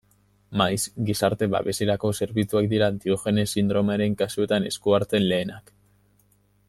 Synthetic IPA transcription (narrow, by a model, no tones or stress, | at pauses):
majzɡisaɾt̪e̞βa̰βe̞siɾako̞se̞ɾβit͡suak̚d̪iɾaːnt̪ioxe̞ne̞sind̪ɾo̞maɾe̞ŋkasue̞t̪ane̞̰skuaɾt͡se̞nle̞ːnak